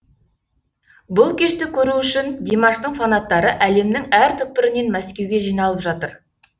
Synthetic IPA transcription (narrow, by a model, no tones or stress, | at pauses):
bʊlˠkʲʰe̞ʃt̪ɪkʲʰɵɾuʏʃɪnd̪emɑʃt̪əɴfanɑt̪ːɑɾəʔæle̞mnɪŋæɾt̪ʰɵp̚pːɪɾɪne̞nmæskʲe̞wɡʲe̞ʒijnɑlˠəpʒɑt̪əɾ